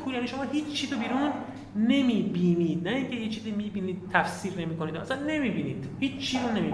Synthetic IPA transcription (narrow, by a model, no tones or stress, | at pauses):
uːɾjæniːʃomɒːhiːt͡ʃt͡ʃʰːiːzobiːɾunː | e̞miːbiːniːd̪̚næiŋcʰehit͡ʃʰːiːzimiːbiːniːd̪̥̚t̪ʰæfsiːɾne̞miːkoniːd̪̰æ̰sænːe̞mibiːniːd̪̥hiːt͡ʃt͡ʃʰːiːɾunːemi